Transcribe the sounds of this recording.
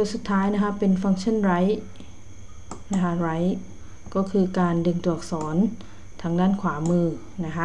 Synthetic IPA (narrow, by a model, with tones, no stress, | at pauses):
do˧jsu˨˩t̪ʰːaː˦˥jna˦˥kʰa˦˥pe˧nfa˧˥ŋt͡ɕʰa˥˨nɾa˦˥j | na˦˥kʰa˦˧˥ɾa˦˥j | kɔː˥˩kʰɯː˧kaː˧ndɯ˧ŋt̪u˨˩ɐk̚sɔː˩˦n | t̪ʰa˦˥ŋdaː˥˩˨nkʰwaː˩˦mɯː˧˩ | na˦˥kʰa˦˥